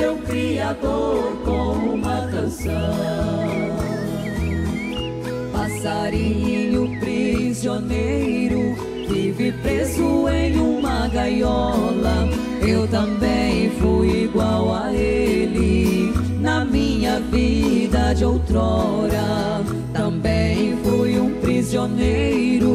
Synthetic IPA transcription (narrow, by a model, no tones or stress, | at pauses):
ewkɾiad̪oɾkõmũmɐt̪ɐ̃sɐ̃ | pasaɾiɲɲʊpɾizionejɾʊ | vivipɾezʊẽj̃ũmɐɡajɔlɐ | ewt̪ɐ̃bẽj̃fujiɡwawa | elɪ | nɐmĩɲɐvid̪ɐd͡ʒɪowt̪ɾɔɾɐ | t̪ɐ̃bẽj̃fujũpɾizionejɾʊ